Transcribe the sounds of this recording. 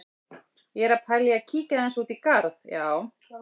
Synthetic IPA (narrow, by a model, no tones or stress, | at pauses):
jɛɾapʰaljɪacʰiːcaðɛnsuːt̪ikaɾðjaːw